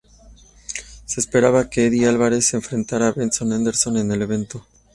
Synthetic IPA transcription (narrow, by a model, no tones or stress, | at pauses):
se̞ːspe̞ɾaβakeeðialβaɾe̞se̞ɱfɾe̞nt̪aɾaːβenso̞nand̪eɾso̞ne̞ne̞le̞βe̞nt̪o̞